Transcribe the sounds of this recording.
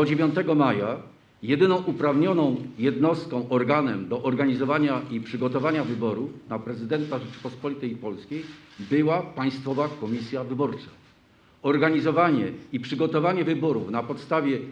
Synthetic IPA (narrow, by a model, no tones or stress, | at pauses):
d͡ʑevʲjɔnt̪ɛɡɔmaja | jɛd̪ɘnɔ̃w̃ʔupɾavɲɔnɔ̃w̃jɛd̪nɔst̪̚kɔ̃w̃ʔɔɾɡanɛmd̪ɔʔɔɾɡaɲizɔvaɲaipʂɘɡɔt̪ɔvaɲavɘbɔɾufnapɾɛzɘd̪ɛnt̪aʐɛt͡ʂpɔspɔlʲit̪ɛjpɔlskʲejbɘwapaj̃st̪fɔvakɔmʲisʲjavɘbɔɾt͡ʂḁ | ɔɾɡaɲizɔvaɲɛipʂɘɡɔt̪ɔvaɲɛvɘbɔɾufnapɔt̪st̪avʲjɛ